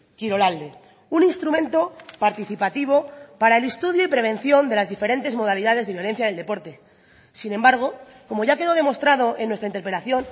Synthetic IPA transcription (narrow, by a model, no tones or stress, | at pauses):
kiɾo̞lald̪e̞ | uninst̪ɾumẽ̞nt̪o̞paɾt̪iθipat̪iβ̞o̞paɾae̞lest̪uðjoipɾe̞β̞e̞n̟θjo̞nd̪e̞lazðife̞ɾe̞nt̪e̞zmo̞ð̞aliðaðe̞zðejo̞le̞n̟θjaðe̞ld̪e̞po̞ɾt̪e | sinẽ̞mbaɾɣ̞o̞ | ko̞mo̞ʝake̞ðo̞ð̞e̞mo̞st̪ɾaðo̞ʔenːwe̞st̪aint̪eɾpɾelaθjo̞n